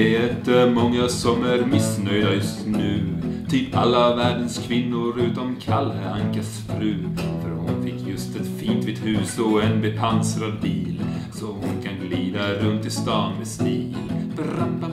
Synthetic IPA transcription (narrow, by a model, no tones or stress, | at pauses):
t̪ɛmɔŋːasɔmæɾmɪsnœjd̪ajɵst̪nʉ̟ːt̪ʰyːpa̰lːavæːɖənskʰvɪnːʊɾʉ̟ːt̪ɔmkʰalːəaŋkasfɾʉ̟ːfœɾhʊnfɪkːjɵst̪ɛt̪fiːnt̪viːd̪hʉ̟ːsɔɛnbɛpʰansɾad̪̚biːlsɔhʊnkʰanɡliːd̪aɾɵnt̪ɪst̪ɑːnvɛst̪iːlb̥ɾampa